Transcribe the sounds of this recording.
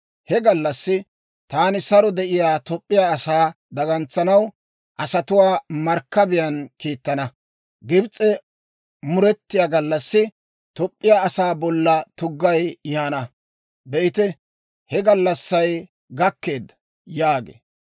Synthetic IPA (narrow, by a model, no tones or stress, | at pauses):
hɛɡɐlːɐsːɪ | t̪aːnɪsɐɾɔd̪ɛʔɪjaːt̪ɔpʼːɪjaːɐsaː | d̪ɐɡɐnt͡sːɐnɐw | ʔɐsɐt̪ʊwaːmɐɾkːɐbɪjɐnkiːt̪ːɐnɐ | ɡɪbt͡sʼɛ | mʊɾɛt̪ːɪjaːɡɐlːɐsːɪ | t̪ɔpʼːɪjaːɐsaːbɔlːɐt̪ʊɡːɐjjaːnɐ | d̪ɛʔɪt̪ɛ | hɛɡɐlːɐsːɐj | ɡɐkːe̞ːd̪ːɐ̥ | jaːɡḛː